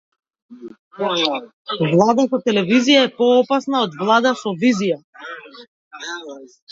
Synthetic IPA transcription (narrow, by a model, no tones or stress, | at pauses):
vlˠad̪at̪ɔt̪ɛlɛvizijaɛpɔɔpasnaɔd̪vlˠad̪asɔvizija